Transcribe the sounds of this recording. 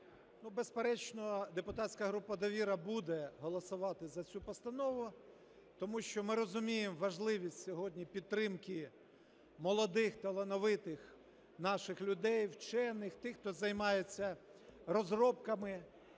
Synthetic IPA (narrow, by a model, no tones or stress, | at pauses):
nubespeɾɛt͡ʃnɔd̪epʊt̪ɑtʲsʲkɐɦɾupːɐd̪ɔʋʲiɾɐbud̪ɛɦɔlˠɔsʊʋɑt̪ɪzɐt͡sʲupɔst̪ɐnɔʋʊ | t̪ɔmuʃt͡ʃɔmɪɾɔzʊmʲijemʋɐʒlˠɪʋʲisʲtʲsʲɔɦɔdʲnʲipʲid̪̚ɾɪmkɪ | mɔlˠɔd̪ɪxt̪elˠenɔʋɪt̪ɪx | nɑʃɪxlʲʊd̪ɛjwt͡ʃɛnɪxt̪ɪxt̪ɔzɐjmɑjet͡sʲːɐrɔzrɔpkɐmɪ